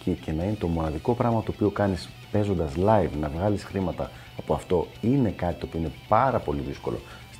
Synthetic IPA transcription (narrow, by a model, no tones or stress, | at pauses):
cice̞nɐine̞t̪o̞mo̞nɐðiko̞pɾɐɣmɐt̪oopiokɐnis | pe̞zo̞nd̪ɐzlɐivnɐvɣɐlisxɾimɐt̪ɐ̰ː | po̞ɐft̪o̞inekɐt̪it̪opio̞ine̞pɐɾɐpo̞liðisko̞̰lo̞̰